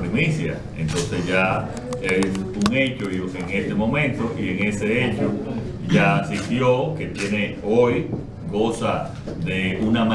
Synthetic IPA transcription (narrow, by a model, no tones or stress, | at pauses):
ɾimisja̰ | ḛ̃nt̪õ̞nsesʝa | esuŋe̞t͡ʃoiseŋest̪emõmẽnt̪oʔieŋeseet͡ʃo | d͡ʒasit̪joke̞t̪je̞neoj | ɡo̞sa | ðeunamã